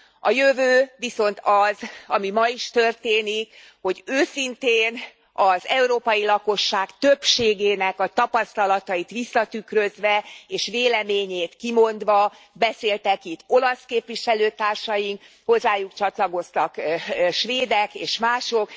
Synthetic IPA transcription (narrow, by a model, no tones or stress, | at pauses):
ɒjøvøːʋiso̞nt̪ʰɒzɒmimɒiʃt̪ørt̪eːnik | ho̞ɟøːsint̪eːn | ɒzɛuɾoːpɒjilɒko̞ʃːaːkt̪øpʃeːɡeːnɛkɒt̪ɒpɒst̪ɒlɒt̪ɒjit̪ʋisːɒt̪ykrøzʋɛeːʃʋeːlɛmeːɲeːt̪kimo̞nd̪ʋɒ | bɛseːlt̪ɛkit̪ːo̞lɒskeːpʋiʃɛløːt̪aːrʃɒjiŋk | ho̞zːaːjukt͡ʃɒt̪lɒɡo̞st̪ɒkʃʋeːd̪ɛkeːʃmaːʃo̞k